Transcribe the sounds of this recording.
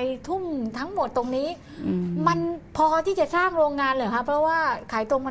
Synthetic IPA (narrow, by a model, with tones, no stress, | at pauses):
jt̪ʰu˥˩mt̪ʰa˦˥ŋmo˨˩t̪ːo˧ŋniː˦˥ | ma˧npʰɔː˧t̪ʰiː˥˩t͡ɕa˨˩saː˥˩ŋɾoː˧ŋːaː˧nlɤː˨˩kʰa˦˥pʰɾɔ˦˥waː˥˩kʰaː˩˦jt̪o˧m˧